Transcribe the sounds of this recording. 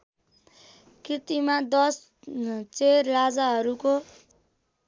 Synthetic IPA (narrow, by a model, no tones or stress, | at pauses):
kit̪imad̪ʌs | t͡serlad͡zaɦʌɾuko